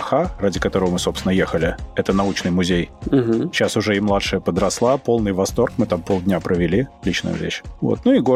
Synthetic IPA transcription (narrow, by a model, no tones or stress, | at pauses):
xaradʲɪkɐt̪o̞ɾəvəmɨso̞pst̪ʲɪnəjexəlʲɪɛt̪ənɐut͡ɕnɨjmʊzʲejm̩ɦ̩ɕːasʊʐɛɪmlˠat̪ʂɨjəpəd̪ɾɐslˠapo̞lˠnɨjvɐst̪o̞rkmɨt̪ampolˠdʲnʲapɾʔəvʲɪlʲilʲit͡ɕnʊ̰jʊ̰vʲḛɕvo̞̰t̪̚nuɪɡo